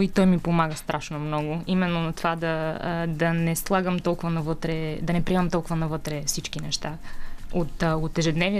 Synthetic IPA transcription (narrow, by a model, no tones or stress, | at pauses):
it̪ɔjmipomaɡəst̪ɾʔaʃnomnɔɡʊimɛnːonɐt̪ovad̪ɐd̪ɐnɛslˠaɡəmt̪ɔlˠkʊvənɐvɤt̪ɾɛd̪ɐnɛpɾiɛmɐmt̪ɔlˠkʊvɐnɐvɤt̪ɾɛfsit͡ʃkinɛʃt̪aot̪ot̪ɛʒɛd̪nɛvni